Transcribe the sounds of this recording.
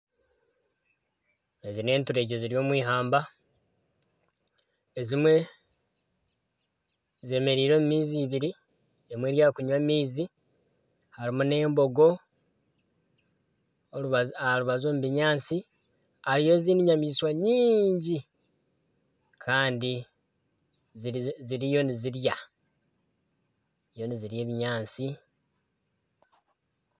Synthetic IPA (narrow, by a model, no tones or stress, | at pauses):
ezine̞ːntuɾe̞ːɟeziɾjo̞ːmwiːɦaːmba | ezimwe̞ | ze̞ːme̞ɾiːɾo̞mumiːziβiɾi | emwe̞ːɾjaːkuɲwamiːzi | haɾimune̞ːmbo̞ɡo̞ | βluβazoːmuβiɲaːnt͡si | aɾijo̞ziːniɲamiːswaɲiːɲɟi | kʰaːndi | zziɾijo̞niziɾja | jo̞niziɾje̞ːβiɲaːnt͡si